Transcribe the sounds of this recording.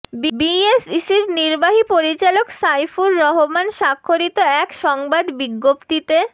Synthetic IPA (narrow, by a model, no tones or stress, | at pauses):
bbiesisiɾniɾbaɦipoɾit͡ɕaloksajfuɾːɔɦomanʃakʰːoɾit̪oɛkʃɔŋbad̪biɡːopt̪it̪e